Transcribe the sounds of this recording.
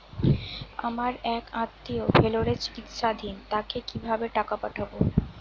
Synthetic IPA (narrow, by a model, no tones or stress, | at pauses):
a̰maɾɛkãt̪ːiobʱeloɾet͡ɕi̥kit̪ʃad̪ʱint̪akekibʱabeʈakapaʈʰabo